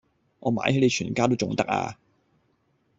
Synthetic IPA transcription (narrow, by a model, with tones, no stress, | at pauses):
ŋʔɔː˨˧maː˨˥jhe˨˥jle˨˧jt͡ʃʰyː˨˩nkaː˥t̪o˥wt͡sʊ˨ŋt̪ɐ˥k̚a̰ː˧